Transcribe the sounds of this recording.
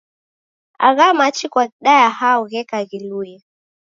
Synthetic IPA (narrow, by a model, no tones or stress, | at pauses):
a̰ɣamat͡ʃikwaɗajahauɣɛkaɣiluja